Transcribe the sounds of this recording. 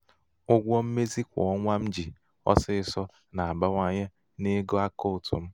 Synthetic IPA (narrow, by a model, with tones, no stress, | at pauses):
ʊ˦ɡʷɔ˦m̩˦me˦zi˦kʷɔ̰˨ɔ˦ŋʷa˦m̩˦d͡ʒi˨ | ɔ̰˦sɪ˦ɪ˨sɔ˦ | na˨a˨ba˦ŋʷa˦ɲe˦ | ne˦ɡo˦a˦ko˦ʊ˨tʊ̰˨m̩˦